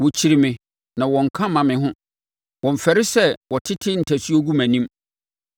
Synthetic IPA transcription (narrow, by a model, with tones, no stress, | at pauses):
wɔ˨t͡ɕʰi˨ɾi˨mɪ̃˨ | nã˨wɔ̃˨ŋ̩˨kʰã˦mã˨mɪ̃˨ɦʊ̃˦ | wɔ̃˨m˨fɛ˨ɾɪ˦sɛ˦˨wɔ˨tʰɪ˦tʰɪ˦n̩˨tʰæ˨si˦o˦ɡu˦mæ̃˨nĩ˦m